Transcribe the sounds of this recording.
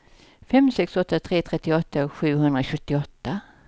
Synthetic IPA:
fɛmsɛksɔt̪ːat̪ʰɾeːt̪ʰɾɛt̪ːɪɔt̪ʰːaɧʉ̟ːɦɵnd̪ɾaɧɵt̪ːɪɔt̪ːa

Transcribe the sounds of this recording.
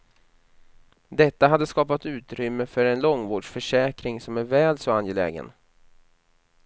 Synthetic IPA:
d̪ɛt̪ːaɦad̪ːəskɑːpat̪ʉ̟ːt̪ɾʏmːəfœɾɛnlɔŋːvoːɖʂfœʂɛːkɾɪŋsɔmæɾvɛːlsɔanjɛlɛ̰ːɡə̰n

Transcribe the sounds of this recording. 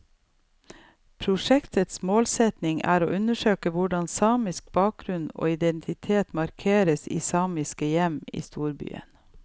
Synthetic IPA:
pʰɾʊʂɛkt̪ʰət̪smoːlsɛt̪nɪŋʔæ̰ːɾo̰ːʔʉnəʃøːkəʋʊɖɑnsɑːmɪsk̚b̥ɑːk̚ɡɾʉno̰ːɪd̪ɛnt̪ʰɪt̪ʰeːt̪mɑɾkʰeːɾəsḭːsɑːmɪskəjɛmḭːst̪uːɾby̰ːə̰n

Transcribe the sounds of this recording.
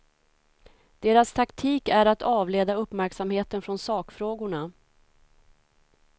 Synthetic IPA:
d̪̥eːɾast̪ʰakt̪ʰiːkæɾat̪ʰɑːvleːd̪aɵpːmæɾksamheːt̪ənfɾɔnsɑːkfɾoːɡʊɳa

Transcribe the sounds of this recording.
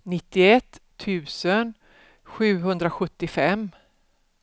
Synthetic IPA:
nɪt̪ːɪɛt̪ʰːʉ̟ːsən | ɧʉ̟ːɦɵnd̪ɾaɧɵt̪ːɪfɛm

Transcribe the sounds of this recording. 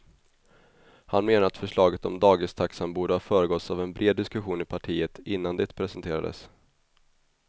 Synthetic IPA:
hanmeːnaɾat̪fœʂɭɑːɡət̪ɔ̰md̪ɑːɡɪst̪ʰaksanbuːɖəhɑːfœːɾəɡɔt̪savɛnbɾʔeːd̪ːɪskɵɧuːnɪpʰaʈʰiːət̪ʰɪnːand̪ɛt̪pʰɾɛsɛnt̪ʰeːɾa̰d̪ə̰s

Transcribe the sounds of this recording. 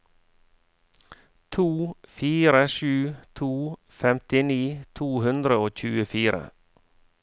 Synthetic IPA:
t̪ʰuːfiːɾəʃʉːt̪ʰuː | fɛmt̪ɪniːt̪ʰuːhʉnd̪ɾəoːc͡çʉːəfiːɾə̰

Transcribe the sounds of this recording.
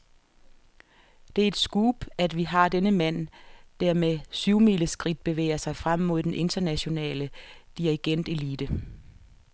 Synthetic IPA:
d̥e̝æɐe̝d̥sɡ̥uːb̥æd̥ʋiɦɑ̈d̥enəmæn̰d̥æɐ̰mesyʊmiləsɡ̥ʁid̥̚b̥e̝ʋḛːɐsɑ̈ɪfʁam̰mo̝ð̰ˠd̥enʔe̝nd̥ɐnæɕo̝nɛ̰ːləd̥iʁiɡ̥en̰d̥e̝liːd̥ə

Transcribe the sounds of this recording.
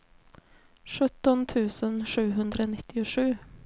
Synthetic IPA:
ʂɵt̪ːɔnt̪ʰʉ̟ːsənʂʉ̟ːɦɵnd̪ɾəonɪt̪ʰːɪʊʂʉ̟ː

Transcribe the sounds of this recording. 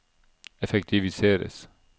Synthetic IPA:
ɛfɛkt̪ʰɪʋɪseːɾə̰s

